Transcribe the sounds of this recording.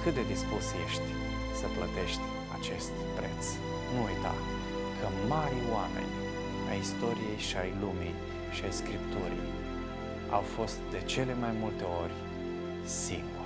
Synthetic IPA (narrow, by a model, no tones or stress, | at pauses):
kɨt̪̚d̪e̞d̪ispusje̞ʃt̪ʲ | səplət̪e̞ʃt̪ʲ | at͡ʃe̞st̪pɾe̞t̪s | nuujt̪a̰ | kʰəmaɾʲoame̞̰nʲ | a̰jist̪o̞ɾije̞jʃiajlumij | ʃiajskɾipt̪uɾij | a̰wfo̞st̪̚d̪e̞t͡ʃe̞le̞majmult̪e̞o̞rʲ | simplu